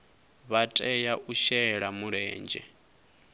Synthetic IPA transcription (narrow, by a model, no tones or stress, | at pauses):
βatʼɛjaʔuʃɛɺamuɺɛːnd͡ʒɛ̰